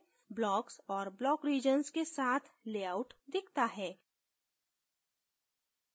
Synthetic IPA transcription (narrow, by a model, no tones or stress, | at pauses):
blɔːksɔːɾblɔːkɾiːd͡ʒənskesaːt̪ʰleːaːʊʈd̪ɪkʰt̪aɦɛː